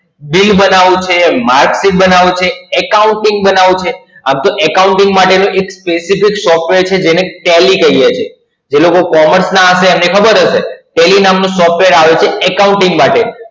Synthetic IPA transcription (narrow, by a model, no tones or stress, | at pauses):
bilbənaʋũt͡ʃʰemaɾksiʈ̚bənaʋũt͡ʃʰeːkauɳʈɪ̃ŋɡbənaʋũt͡ʃʰe | amt̪oʔɛkauɳʈɪ̃ŋɡmaʈenũʔekspesifiksɔfʈʋeɾt͡ʃʰed͡ʒeneʈelikəijet͡ʃʰe | d͡ʒelokokɔməɾsnaəseːmnekʰəbəɾɦəʃeʈelinamnũsɔfʈʋeəɾaʋet͡ʃʰeɛkauɳʈɪ̃ŋɡmaʈe